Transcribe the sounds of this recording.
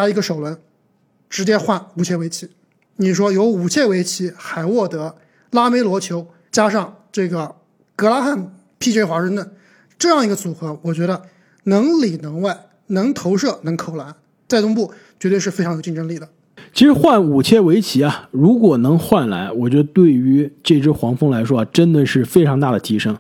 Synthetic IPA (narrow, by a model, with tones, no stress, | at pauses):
t͡ɕa˥i˧˥ɡə˧ʂo˨˩ʊlwə˧˥n | ʈ͡ʂɻ̩˧˥t͡ɕjɛ˥xwa˥˩nu˨˩t͡ɕʰjɛ˥˩we˧˥ɪt͡ɕʰi˧˥ | ni˨˩ʂ̬wɔ˥jo˧˥ʊu˨˩t͡ɕʰjɛ˥˩we˧˥ɪt͡ɕʰi˧˥xa˨˩ɪwɔ˥˩t̪ɤ˧˥ | la˥me˧˥ɪlwɔ˧˥t͡ɕʰjo˧˥ʊ | t͡ɕja˥ʂɑ˥˧ŋʈ͡ʂɤ˥˩ɡə˩ | kɤ˧˥la˥xa˥˩n | pʰi˥˧˩e˥xwa˧˥ʂɤ˥˧ŋt̪wə˥˩n | ʈ͡ʂɤ˥˧jɑ˥˩ŋi˧˥ɡə˧t͡su˨˩xɤ˧˥wɔ˨˩t͡ɕɥɛ˧˥ɾə˧ | nɤ˧˥ŋli˨˩nɤ˧˥ŋwa˥˩ɪ | nɤ˧˥ŋt̪ʰo˧˥ʊʂɤ˥˩nɤ˧˥ŋkʰo˨˩ʊla˧˥n | t͡sa˥˧ɪt̪ʊ˥ŋp̬u˥˩ | t͡ɕɥɛ˧˥t̪we˥˧ɪʂ̩ɻ̩˥˩fe˥ɪʈ͡ʂʰŋjo˨˩ʊt͡ɕi˥˩ʈ͡ʂɤ˥ŋli˨˩d̪ə˩ | t͡ɕʰi˧˥ʂɻ̩˧˥xwa˥˩nu˨˩t͡ɕʰjɛ˥˩we˧˥ɪt͡ɕʰi˧˥a˧ɻu˧˥kwɔ˨˩nɤ˧˥ŋxwa˥˩nla̰˧˥ɪwɔ˨˩t͡ɕɥɛ˧˥d̪ə˧t̪we˥˩ɪy˧˥ʈ͡ʂɤ˥˩ʈ͡ʂɻ̩˥xwɑ˧˥ŋfɤ˥ŋla˧˥ɪʂwɔ˥a˧˩ʈ͡ʂə˥nd̪ə˨ʂɻ̩˥˩fe˥ɪʈ͡ʂʰɑ˧˥ŋt̪a˥˩d̪ə˩t̪ʰi˧˥ʂɤ˥ŋ